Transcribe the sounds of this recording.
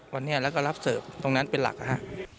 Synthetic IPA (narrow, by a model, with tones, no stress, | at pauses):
wa˧nːi˦˥ɐlɛː˦˥wkɔ˥˩ɾa˦˥p̚sɤː˨˩p̚t̪o˧ŋna˦˥npe˧nla̰˨˩k̚ʔa˧˩ha̰˧˩ʔ